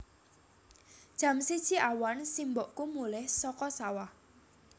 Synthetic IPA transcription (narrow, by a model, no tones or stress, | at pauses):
d̥ʒ̥ä̤msid̥ʒ̥iʔawansimbɔʔkumulɪhsɔkɔsawah